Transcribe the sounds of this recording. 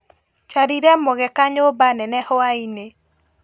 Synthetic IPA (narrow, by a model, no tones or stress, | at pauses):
t͡ʃaɾiɾɛmoɣɛkaɲobanɛnɛhɔaine